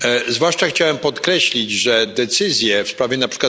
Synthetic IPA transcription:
zvwaʂt͡ʂaxt͡ɕawɛmpɔt̪kɾɛɕlʲid͡ʑʐɛd̪ɛt̪sɘzʲjɛfspɾavʲjɛnapʂɘ̥kwa

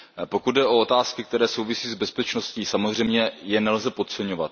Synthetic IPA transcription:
po̞kud̪̚dɛʔo̞ot̪aːskɪkt̪ɛɾɛːsowvɪsiːzbɛspɛt͡ʃno̞sciːsamozr̝ɛjmɲɛjɛnɛlzɛpo̞t̪̚t͡sɛɲo̞vat̪

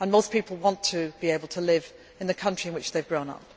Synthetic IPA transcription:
ə̃nmoʊspiˑpl̩ˠwɒ̃ntʰɨb̥ieɪbəl̩ˠtʰəlɪv | ɨ̃nðɨkʰʌ̃nt͡ʃɹ̥iɨ̃nwɨt͡ʃðeɪvɡɹõʊ̃nʌ̰p̚

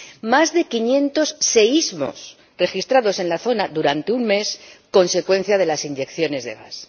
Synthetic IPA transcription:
mazðe̞kiɲjẽ̞nt̪o̞sːe̞izmo̞̰s | re̞xist̪ɾaðo̞se̞nlaθo̞naðuɾant̪e̞umme̞sko̞nse̞kwe̞n̟θjað̞e̞lasiɲɟe̞kθjo̞ne̞zðe̞̰ɣ̞a̰s

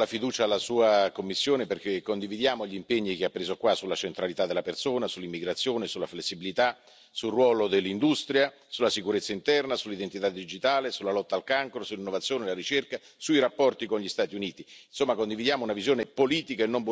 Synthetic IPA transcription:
lafid̪uːt͡ʃalːasuːakomːisːjoːneperk̟ekːond̪ivid̪jaːmoʎimpeɲːikeapːɾeːzokwasulːat͡ʃent̪ɾalit̪ad̪ːelːapersoːnasulːimːiɡɾat̪sːjoːnesulːaflesːibilit̪a | sulrwɔːlod̪elːind̪ust̪ɾja | sulːasikuɾet̪sːaint̪ɛrnasulːid̪ent̪it̪ad̪ːid͡ʒit̪aːlesulːalɔt̪ːaːlkaŋkɾosulːinːovat̪sjoːnelaɾit͡ʃerka | suiɾapːɔrt̪ikonʎist̪aːt̪iuniːt̪insomːakond̪ivid̪jaːmounavizjoːnepoliːt̪ikaenːomb

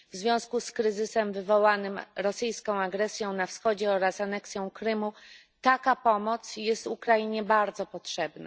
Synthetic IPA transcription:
vzvʲjɔ̃w̃skuskɾɘzɘsɛmvɘvɔwanɘmɾɔsɘjskɔ̃w̃aɡɾɛsʲjɔ̃w̃nafsxɔd͡ʑɛɔɾasanɛksʲjɔ̃w̃kɾɘmu | t̪akapɔmɔt̪sjɛst̪ukɾajiɲɛbaɾd̪zɔpɔtʂɛbna̰

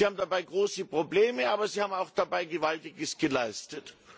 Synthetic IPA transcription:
ihaːbmn̩dabaɪɡʁoːsəpʁ̥obleːməʔaːbɐziːhaːbmaʊxd̥abaɪɡəvaltɪɡəsɡ̥əlaɪstət

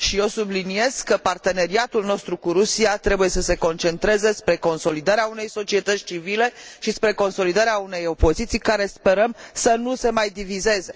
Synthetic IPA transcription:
ʃio̞sublinie̞zkːəpart̪e̞ne̞ɾiat̪ulno̞st̪ɾukuɾusiat̪ɾe̞buje̞səse̞ko̞nt͡ʃe̞nt̪ɾe̞ze̞spɾe̞ko̞nso̞lid̪aɾeaune̞jso̞t͡ʃie̞t̪ət̪sʲt͡ʃivile̞ʃispɾe̞ko̞nso̞lid̪aɾeaune̞jo̞po̞zit̪sijkaɾe̞spe̞ɾəmsənuse̞majd̪ivize̞ze̞

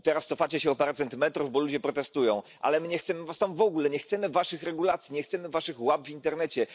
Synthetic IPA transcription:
t̪ɛɾast̪sɔfat͡ɕɛɕɛɔpɛɾat̪sɛnt̪mɛt̪ɾuvbɔlud͡ʑɛpɾɔt̪ɛst̪ujɔ̃w̃ʔa̰lɛmɘɲɛxt̪sɛmɘvast̪amvɔɡulɛɲɛxt̪sɛmɘvaʂɘxɾɛɡulat̪sʲiɲɛxt̪sɛmɘvaʂɘxwabvʲint̪ɛɾnɛt͡ɕɛ

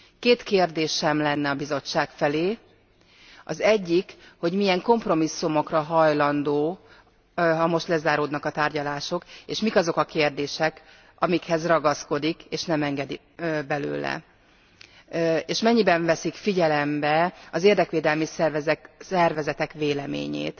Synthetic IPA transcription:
keːt̪keːrd̪eːʃɛmlɛnːɛɒbizo̞t͡ʃːaːkfɛleː | ɒzɛɟːikho̞ɟmiɛŋko̞mpro̞misːumo̞krɒɦɒjlɒnd̪oː | ɦɒmo̞ʃt̪lɛzaːɾoːd̪nɒkɒt̪aːrɟɒlaːʃo̞keːʃmikɒzo̞kɒkeːrd̪eːʃɛk | ɒmikhɛzrɒɡɒsko̞d̪ikeːʃnɛmɛŋɡɛd̪i | bɛlø̰ːlɛ̰ | eːʃmɛɲːibɛɱvɛsikfiɟɛlɛmbɛɒzeːrd̪ɛkʋeːd̪ɛlmissɛrvɛzɛt̪ɛkʋeːlɛmḛːɲḛːt̪

